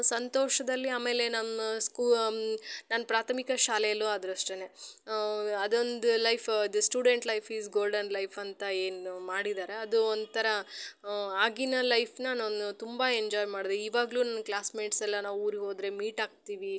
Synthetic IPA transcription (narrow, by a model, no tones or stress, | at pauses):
sɐnt̪oːʂɐd̪ɐlːiaːme̞ːle̞nɐmɐsku | naːnɐpɾaːt̪ʰɐmikɐʃaːlɛjɐlːuɐd̪ɾɐʂʈene̞ | ɐd̪o̞nd̪ulɐjpʰid̪ɐsʈjuːɖe̞ɳʈlɐjpʰisɡoːlɖɐnlɐjpʰɐnt̪ɐe̞ːnmaːɽid̪aːɾe̞ɐd̪uond̪t̪ʰɐɾɐ | aːɡinɐlɐjpʰnaːnond̪ut̪umbaeɲd͡ʒɔːjmaːɽid̪eiːʋaːɡɐluːnɐnːɐklaːsmeːʈsɛlːɐnaːʋuːɾiɦo̞ːd̪ɾe̞miːʈaːɡ̚t̪iːʋi